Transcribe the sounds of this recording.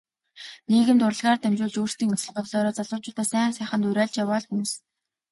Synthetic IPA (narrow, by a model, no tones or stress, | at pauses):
niːɣɘ̆mt̪ʊɾə̆ɮʁaːrt̪ʰæmt͡ɕʊːɮt͡ɕuːr̥t̪iːŋut͡sɘ̆ɮqɔwɮɔːɾɔːt͡saɮʊːt͡ɕʊːt̪æːsæːŋsæːχə̆nt̪uɾæːɮt͡ɕjawaːɮxum̆s